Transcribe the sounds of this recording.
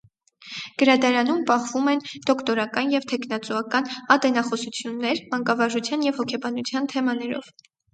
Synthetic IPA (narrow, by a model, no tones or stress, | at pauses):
ɡ̥əɾɑt̪ɑɾɑnumpɑχvumɛnd̪ɔkʰt̪ɔɾɑkɑnjɛvt̪ʰɛkʰnɑt͡suɑkɑnɑt̪ɛnɑχɔsut͡sʰjunːɛɾmɑŋkɑvɑʒut͡sʰjɑnjɛvhɔkʰɛbɑnut͡sʰjɑnt̪ʰɛmɑnɛɾɔ̰v̥